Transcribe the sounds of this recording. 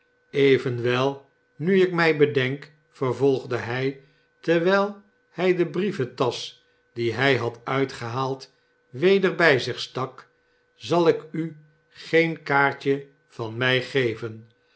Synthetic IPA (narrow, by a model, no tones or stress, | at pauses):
ejvənʋɛlˠ | nyɪkmɛjbədɛŋk | fəɹvolˠχdəɦɛj | təɹʋɛlˠ | hɛjdəbrivətɑs | d̥iɦɛjɦɑtœɥtχəɦaːlˠt | ʋejdəɹbɛjzɪχstɑk | zɑlˠɪky | χejnkaːɹt͡ʃə | v̥ɑnmɛjχejvən